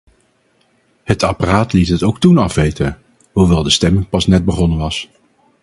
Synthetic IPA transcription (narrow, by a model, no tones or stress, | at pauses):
hətaparaːtlitɦətowk̚tunɑfʋejtən | ɦuʋɛlˠdəstɛmɪŋpɑsnɛt̚bəχɔnəʋɑs